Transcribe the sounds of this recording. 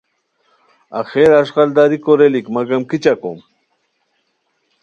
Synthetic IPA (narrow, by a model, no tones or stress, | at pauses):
a̰xeɾaʃqald̪aɾikoɾelikmaɡamkɪt͡ʃako̰m